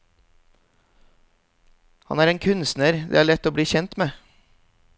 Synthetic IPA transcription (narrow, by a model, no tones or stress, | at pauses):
hɑ̰næːɾeːŋkʰʉnsnəɾd̪ḛːæːɭɛt̪oːbɽiːçɛnt̪meː